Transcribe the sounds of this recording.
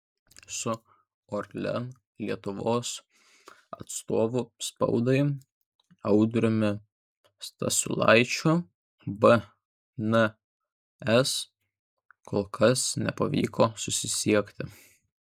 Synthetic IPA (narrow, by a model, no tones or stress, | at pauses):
sʊ | oɾʲlʲɛ̰n | lʲiɛt̪ʊʋoːs | ɐ̰t̪st̪oːʋʊspɐ̰ʊd̪ɐɪ | ɐʊd̪ʲɾʲʊmʲɪ | st̪ɐ̰sʲʊ̰lˠɐ̰ɪt͡ʃʲʊ | bɛ | nɛ | ɛs | kʰoːlˠkʰɐsnʲɛ̰pɐʋʲḭːkoːsʊsʲɪsʲiɛkt̪ʲɪ